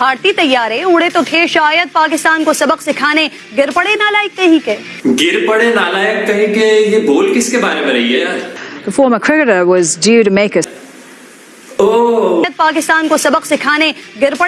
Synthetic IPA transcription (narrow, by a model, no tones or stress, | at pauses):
bʱaːɾt̪it̪ɐjːaːɾeʊɽet̪ot̪ʰeʃaːjəd̪̚paːkɪst̪aːnkosɐbəqsɪkʰaːne | ɡɪɾpɐɽenaːlaːjɪk̚t̪ɐɦĩke | ɡɪɾpɐɽenaːlaːjəkːɐɦĩkejeboːlkɪskebaːɾemẽɾɐɦieːaːðəfɔːɾməkʰɹ̥ɪkəɾəwʌzdjuːɾumeːkə | oːəd̪̚paːkɪst̪aːnkosɐbəqsɪkʰaːneɡɪɾpɐɽe